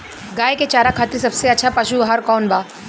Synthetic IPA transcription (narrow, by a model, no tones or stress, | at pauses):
ɡaːeket͡ʃaːɾakʰaːt̪ɾis̬ɐbseɐtːʃʰapɐʃuɦaɾkɔːnbʱaː